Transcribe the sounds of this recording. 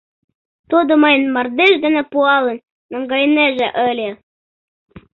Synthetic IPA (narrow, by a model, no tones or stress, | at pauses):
t̪od̪ŏmɑjnmɑrd̪eʒd̪ɘ̆nĕpuɑlɤ̆nː | ɑŋɡɑjneʒĕʔə̆lʲe